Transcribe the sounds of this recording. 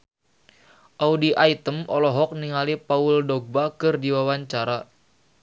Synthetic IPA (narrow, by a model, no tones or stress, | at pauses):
ʔaudiʔait̪əmɔlɔɦɔk̚niŋalipauldɔɡ̚bakɨrdiwawaɲt͡ʃaɾa